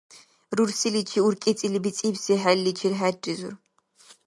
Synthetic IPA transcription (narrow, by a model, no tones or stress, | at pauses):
ruɾsilit͡ʃʰiuɾkʼit͡sʼilibit͡sʼibsɛħalːit͡ʃʰiɾħædrizṵɾ